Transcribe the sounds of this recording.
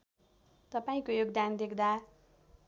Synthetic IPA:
t̪ʌpaĩkojoɡ̚d̪and̪ekd̪a

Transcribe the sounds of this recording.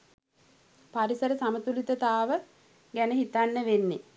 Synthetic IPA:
paɾisəɾəsamət̪ulit̪ət̪aːʋə | ɡænəɦit̪anːəʋenːe

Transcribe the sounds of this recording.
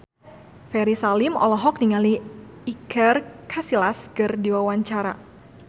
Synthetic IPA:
fɛɾisalɪmɔ̰lɔɦɔk̚niŋaliikʰərkʰasilaskɨrdiwawaɲt͡ʃaɾa

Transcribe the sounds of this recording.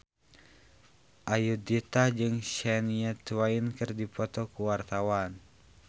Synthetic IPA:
ʔajudit̪ad͡ʒɨŋʃɛniɛt̪wainkɨrdipɔt̪ɔkuwart̪awan

